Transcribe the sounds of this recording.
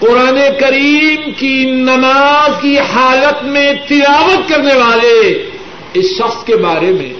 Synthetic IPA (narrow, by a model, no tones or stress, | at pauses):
qʊɾaːnekɐɾiːmkinɐnaːzkihaːlət̪mẽt̪ɪlaːʋət̪̚kɐɾneʋaːle | ɪsʃɐxskebaːɾemḛ̃